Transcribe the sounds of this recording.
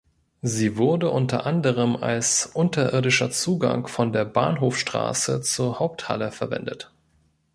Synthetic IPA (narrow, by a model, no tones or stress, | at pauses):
ziːvʊɐdəʔʊntɐ̰ʔandəʁ̞əma̰lsʔʊntɐʔɪɐdɪʃɐt͡suːɡa̰ŋfɔndeːɐbaːnɦoːfʃtʁ̥a̰ːsət͡suːɐhaʊp̚tha̰ləfɛɐvɛ̰ndət